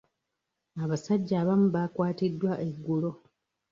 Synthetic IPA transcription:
aβasaɟːaːβamuβakwaːtidːwaʔeɡːulo̞

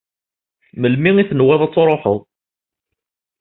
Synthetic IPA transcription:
məlmiŋiθənwæðˤɑt͡sːɾˤoħəðˤ

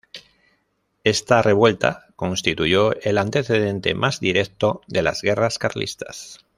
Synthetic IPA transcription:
e̞st̪are̞βwe̞lt̪a̰ko̞nst̪it̪uʝo̞elant̪e̞θe̞ðe̞nt̪e̞̰mʔazðiɾe̞k̚t̪oðe̞la̰zɣe̞raskaɾlḭst̪a̰s

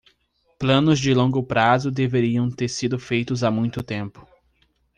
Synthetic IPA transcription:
plɐ̃nʊzd͡ʒɪlõŋɡʊpɾazʊd̪eveɾiɐ̃w̃t̪eɾsid̪ʊfejt̪ʊzamũj̃t̪ʊt̪ẽmpʊ̥

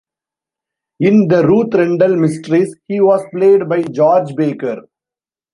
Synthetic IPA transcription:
ɪ̃nd̪əɾuːt̪ɾɛ̃ɳɖəlmɪsʈəɾishiːʋɔːzpleːɖbaɪd͡ʒɔːɾd͡ʒbeːkəɾ

